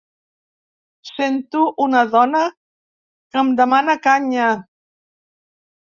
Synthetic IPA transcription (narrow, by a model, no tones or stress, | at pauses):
sent̪uʔunəðɔnə | kəmd̪əmanəkaɲa